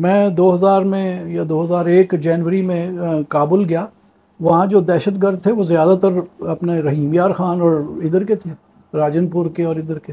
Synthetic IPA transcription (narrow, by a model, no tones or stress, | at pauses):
mɛ̃ːd̪oːɦɐzaːɾmẽjad̪oːɦɐzaːɾeːkd͡ʒɛːnʋəɾimẽkaːbəlɡɐjaː | ʋɐɦãd͡ʒoːd̪ɛːʃət̪ɡəɾd̪̚t̪ʰeʋozjaːd̪at̪ɐɾɐpneɾɐɦiːmijaːɾxaːnɔːɾɪd̪əɾket̪ʰeː | ɾaːd͡ʒənpʊɾkeɔːɾɪd̪əɾke